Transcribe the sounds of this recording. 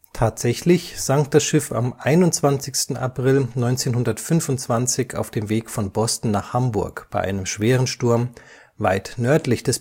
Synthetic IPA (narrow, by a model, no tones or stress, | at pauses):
tʰaːtz̥ɛçlɪçz̥aŋkd̥asʃɪfa̰mʔaɪnʊntt͡sv̥ant͡sɪçstn̩a̰pʁ̥ɪlnɔʏnt͡seːnhʊndɐtfʏnvʊntt͡sv̥ant͡sɪça̰ʊfd̥eːmveːkfɔnbɔstn̩naːχhambʊɐkb̥aɪʔa̰ɪnəmʃv̥eːʁ̞ənʃtʊɐm | va̰ɪtnœɐtlɪçd̥ɛs